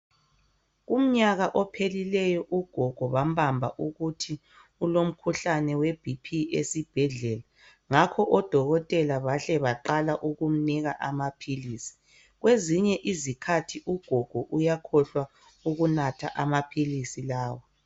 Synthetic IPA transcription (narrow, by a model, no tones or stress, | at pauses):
ɣum̩ɲaɣaʔɔpʰelilɛjɔʔuɡ̥ʱɔɡ̥ʱɔβam̩bambʱa̰ʔuɣutʰi | ulom̩kʰuɬanɛweb̥ʱipʰiesib̥ʱɛɮɛla | ŋakʰɔʔɔd̥ʱɔɣɔtʼɛlaβaɬɛβaǃalaʔuɣum̩niɣaʔamapʰilisi̥ | ɣweziɲɛʔizikʰatʰiʔuɡ̥ʱɔɡ̥ʱɔʔujakʰɔɬwa | uɣunatʰa̰ʔamapʰilisilaːwɔ